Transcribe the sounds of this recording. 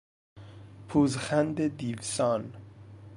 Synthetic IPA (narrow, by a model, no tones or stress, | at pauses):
pʰuːzxænd̪ed̪iːvsɒːn